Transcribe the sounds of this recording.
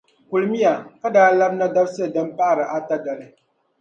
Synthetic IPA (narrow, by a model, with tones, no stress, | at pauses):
ku˨lɨ˨mi˦a˨ka˦daː˦la˦bna˦da˦bsɨ˦˨dɨ˦m˦pa˦˨ɾɨ˨ʔa˦ta˦da˨lɨ˦